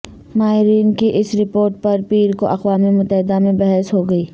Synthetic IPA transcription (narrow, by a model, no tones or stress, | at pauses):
maːɦɪɾiːnkiʔɪsɾɪpoːɾʈ̚pɐɾpiːɾkoʔɐqʋaːmemʊt̪ːəɦɪd̪amẽbɐɦɛsɦoɡɐiː